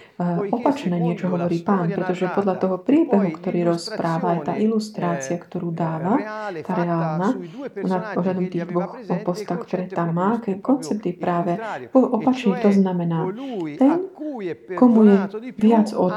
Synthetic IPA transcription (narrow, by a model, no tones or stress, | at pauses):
ɔpat͡ʃnɛːɲɪɛt͡ʃɔɦɔʋɔɾiːpaːnpɾɛt̪ɔʒɛpɔd̪ʎat̪ɔɦɔpɾɪiːbɛɦukt̪ɔɾiːɾɔspɾaːʋaːjt̪a̰ːʔilust̪ɾaːt͡sɪakt̪ɔɾuːd̪aːʋat̪aɾɛaːlnaɔnaɔɦlad̪ɔmt̪iːɣd̪ʋɔx | ɔpɔst̪aʊkt̪ɔɾɛːt̪amːaːkɛkɔnt͡sɛp̚t̪jɛpɾaːʋɛpɔʔɔpat͡ʃniːt̪ɔznamɛnaːt̪ɛn | kɔmujɛʋɪad͡zɔ